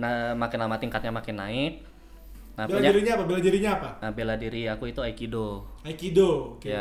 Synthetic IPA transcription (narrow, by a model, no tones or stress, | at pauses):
namakɪnlamat̪iŋkat̪̚ɲamakɪnːaɪt̪̚ | nabelaɲaiɾiɲaapabeladiɾiɲaːpaəbeladiɾiakuit̪uaikidoaikidookeja